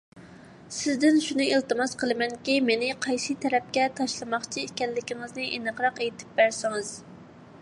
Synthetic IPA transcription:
sɪzd̪ɪnʃunɨilˠt̪ɨmɑsqəlˠɨmɛnkʲimenɪqʰɑjsɨt̪ʰɛɾɛp̚kʲɛt̪ʰɑʃlˠɨmɑχt͡ʃʰiekʲɛlːɪkʲiŋɨznɨʔinɨqɾɑqejt̪ʰɪ̥p̚bæɾsɪŋɨz̥

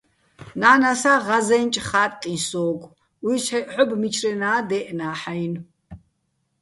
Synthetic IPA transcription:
naːnasaʁazɛnt͡ʃʼχaːt̪ʼt̪ʼinsɔːkʷʼ | wisɛħɔbmit͡ʃʰɾɛnaːd̪ɛʔnaːħajn

